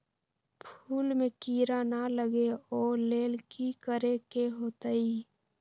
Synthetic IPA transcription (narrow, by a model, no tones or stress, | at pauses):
pʰuːlmekiɾanaləɡeoːleːlkikəɾekeɦoːt̪əi